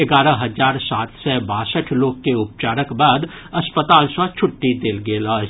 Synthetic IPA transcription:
ɪɡaːɾəɦɐzaːɾsaːt̪ʰsɛbaːsəʈʰloːɡkeʊp̚t͡ʃaːɾəkbaːd̪ | ɐspət̪aːlsat͡ʃʰʊʈːid̪eːlɡeːlaːd͡ʒ

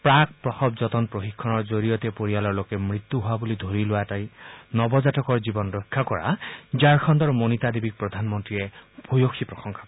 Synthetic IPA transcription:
pɹak̚pɹɔxɔbd͡ʒɔt̪ɔnpɹoxikʰːɔnɔɹd͡ʒoɾijɔt̪epoɹijalɔɹlokemɹit̪ːuɦuabulid̪ʱoɾiloatajnɔbɔd͡ʒatɔkɔɹd͡ʒibɔnɾɔjkʰːakɔɹa̰d͡ʒaɹkʰɔnd̪ɔɹmonit̪ad̪ibik̚pɹɔd̪ʱanmɔnt̪ɹieb̥ʱojokʰipɹɔxɔŋkʰḁk

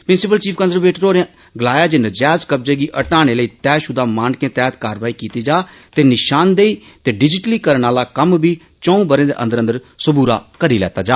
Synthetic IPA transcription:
pɾɪnsɪpəlt͡ʃiːpʰkənsəɾʋeːʈəɾoːɾẽ | ɡəlaːjaːd͡ʒɪnəd͡ʒɛːzkəb̚d͡ʒeːɡiːʔəʈaːɽ̃eːləiːt̪ɛːʃʊd̪aːmaːnkẽːt̪ɛːt̪kaːɾʋaːiːkiːt̪iːd͡ʒaː | t̪eːnɪʃaːnd̪eːiː | t̪eːɖɪd͡ʒɪʈliːkəɾəɳaːlaːkəmbiː | t͡ʃɔ̃ːũːbəɾẽːd̪ḛʔə̰̃nd̪əɾə̃nd̪əɾsʊbuːɾa̰ːkəɾiːlɛ̰ːt̪aːd͡ʒaː

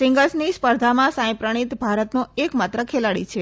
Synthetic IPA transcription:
sɪ̃ŋɡəsnispəɾd̪ʱamãsãj̃pɾəɽ̃it̪bʱaɾət̪nũekmat̪ɾəkʰelaɽḭt͡ʃʰe

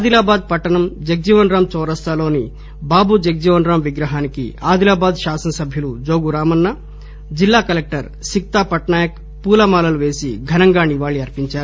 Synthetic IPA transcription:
aːd̪ilaːbaːd̪̚pɐʈːɐnɐmd͡ʒɐk̚d͡ʒiʋɐnɾaːmt͡ʃɔːɾɐst̪aːlo̞ːni | baːbud͡ʒɐk̚d͡ʒiʋɐnɾaːmʋiɡɾɐɦaːnikḭaːd̪ilaːbaːd̪ʃaːsɐnɐsɐbʱjɐlud͡ʒoːɡuɾaːmɐnːɐ | d͡ʒilːaːkɐlek̚ʈɐɾ | sik̚t̪aːpɐʈɳaːjɐk̚ | puːlɐmaːlɐluʋe̞ːsiɡʱɐnɐŋɡaːniʋaːɭːiɐɾpiɲt͡ʃaːɾu

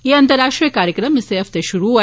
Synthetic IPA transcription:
eɐnt̪əɾaʃʈɾijəkaɾjəkɾəmseɦəft̪eʃuɾua

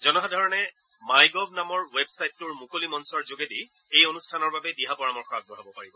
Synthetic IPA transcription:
zɔnɔɦadʱɔɹɔnɛ | majɡɔbʱnamɔɹwebsajtːʊɹmukolimɔnsɔɹzoɡedi | ejonustʰanɔɹbabɛdiɦapɔɹamɔɹxɔaɡ̚bɔɦabɔpaɹibɔ

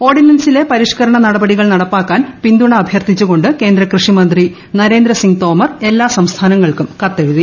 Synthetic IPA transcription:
o̞ːrɖinɐnsile̞pɐɾiʂkɐɾɐɳɐnɐɽɐbɐɽiɣɐɭnɐɽɐpːaːkːaːnpind̪uɳɐːbʱjɐrt̪it͡ɕːuɣo̞ɳɖɨke̞ːnd̪ɾɐkrɨʂimɐnd̪ri | nɐɾe̞ːnd̪ɾɐsiŋt̪o̞ːmɐre̞lːaːsɐmst̪ʰaːnɐŋːɐɭkumkɐt̪ːeɻuði

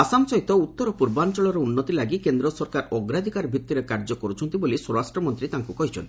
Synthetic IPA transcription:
asamsɔɦjt̪ɔut̪ːɔɾɔpuɾbant͡ʃɔɭɔɾɔunːɔt̪ilaɡikend̪ɾɔsɔɾkaɾɔɡɾad̪ʱikaɾbʱit̪ːiɾekaɾd͡ʒɔkɔɾut͡ʃʰɔnt̪ibolisɔɾɾasʈɾɔmɔnt̪ɾit̪aŋkukɔɦit͡ʃʰɔ̰nt̪i

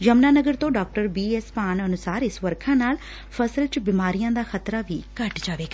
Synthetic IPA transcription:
d͡ʒəmnaːnəɡəɾt̪õːɖaːk̚ʈəɾbiːɛːspaːnənʊsaːɾɪsʋəɾkʰãːnaːl | pʰəsəlt͡ʃbɪmaːɾijãːd̪aːxət̪ɾaːʋiːkəʈd͡ʒaːʋeːɡaː

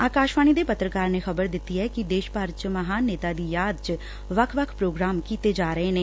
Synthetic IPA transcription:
aːkaːʃʋaːñiːd̪eːpət̪ɾəkaːɾneːxəbəɾd̪ɪt̪ːiːɛːkɪd̪eːʃpaːɾt͡ʃməɦaːneːt̪aːd̪iːjaːd̪t͡ʃ | ʋəkʰʋəkʰpɾoːɡɾaːmkiːt̪eːd͡ʒaːɾəeːneː

